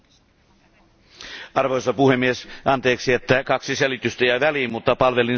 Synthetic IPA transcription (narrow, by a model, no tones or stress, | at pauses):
ɑrʋojsɑpuhemːiesʔɑnt̪e̞ːksiet̪ːækɑksiselit̪yst̪æjɑʋæliːmmut̪ːɑpɑlʋe̞lin